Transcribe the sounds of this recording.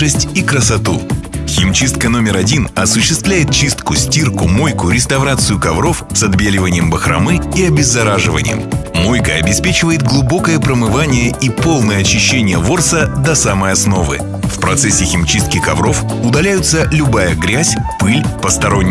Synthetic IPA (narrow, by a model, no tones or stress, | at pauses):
ɨsʲtʲikɾəsɐt̪uxʲɪmt͡ɕist̪̚kəno̞mʲɪɾɐdʲinɐsʊɕːɪst̪vlʲæjɪt̪̚t͡ɕist̪kʊsʲtʲirkʊmo̞jkʊɾʲɪst̪ɐvɾat̪sɨjʊkɐvɾo̞fsɐd̪bʲelʲɪvənʲɪjəmbəxɾʔɐ̰mɨiɐbʲɪzːɐɾaʐɨvə̰nʲɪ̰jə̰mmo̞jkəɐbʲɪspʲet͡ɕɪvəjɪt̪ɡlˠʊbo̞kəjəpɾəmɨvanʲɪjəipo̞lˠnəjəɐt͡ɕɪɕːenʲɪjəvo̞rsəd̪ɐsaməjɐsno̞vɨ̰ | fpɾɐt̪sɛsʲːɪxʲɪmt͡ɕist̪̚kʲɪkɐvɾo̞f | ʊd̪ɐlʲæjʊt̪səlʲʊbajəɡɾʲæsʲpɨlʲpəst̪ɐɾo̞nʲː